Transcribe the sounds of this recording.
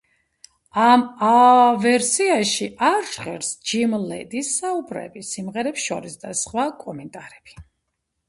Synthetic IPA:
amavɛɾsiaʃiʔaɾʒʁɛɾsd͡ʒimlɛ̰d̪isaubɾɛ̰bisimʁɛɾɛpsʃɔ̰ɾisd̪asχwakʼɔmɛnt̪ʼaɾɛb̥i̥

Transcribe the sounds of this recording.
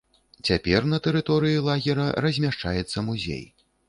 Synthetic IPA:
t͡sʲapʲɛrnɐt̪ɛɾɨt̪ɔɾɨjilˠaɣʲiɾɐrɐzʲmʲaʂt͡ʂa̰jɛt̪sːɐmuzʲḛj

